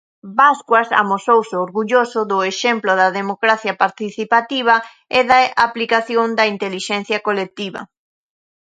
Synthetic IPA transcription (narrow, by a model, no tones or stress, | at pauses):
baskwɐsa̰mosowsɪoɾɣuʎosʊðʊeʃemplʊðɐðemokɾaθjɐpaɾt̪iθipat̪iβ̞ɐ | ɪðaʔaplikaθjoŋd̪ɐint̪eliʃɛnθjɐkolek̚t̪iβɐ̰